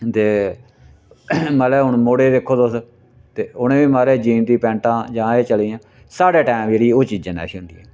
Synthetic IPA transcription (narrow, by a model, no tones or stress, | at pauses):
t̪eː | məlɛʊɳmoːɽeːd̪eːkʰːoːd̪os | t̪eːʊnẽːʋiːmaːɾeːd͡ʒiːnt̪iːpɛ̃ːɳʈãːd͡ʒãːeːt͡ʃəliːãː | saːɽeːʈɛːmeːɽiːoːt͡ʃiːd͡ʒãːna̰ːʃnd̪ḭːɛː